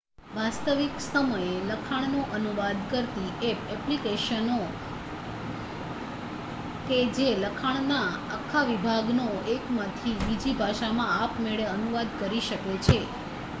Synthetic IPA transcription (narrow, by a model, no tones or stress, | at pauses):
ʋast̪əʋiksəməjeləkʰaɳ̃noʔənuʋad̪kəɾt̪iepɛplikeʃəno | ked͡ʒeləkʰaɳ̃naakʰːaʋibʱaɡnoekmãt̪ʰibid͡ʒibʱaʃamãapmeɭeənuʋad̪kəɾiʃəket͡ʃʰe